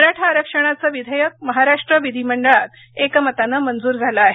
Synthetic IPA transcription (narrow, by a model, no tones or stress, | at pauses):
ɾaʈʰaːɾəkʂəɽ̃at͡səːʋid̪ʱəjək̚məɦaɾaʂʈɾəʋid̪ʱiməɳɖəɭat̪ | ekəmət̪anəmənd͡zuːɾd͡zʱaləːɦe